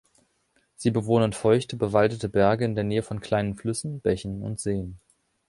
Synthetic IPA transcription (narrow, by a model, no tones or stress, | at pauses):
z̥iːbəvoːnənfɔʏçtəbəvaldətəbɛɐɡəɪndeːɐneːəfɔnkʰl̥aɪnənflʏsn̩b̥ɛçn̩ʊ̰ntz̥eːən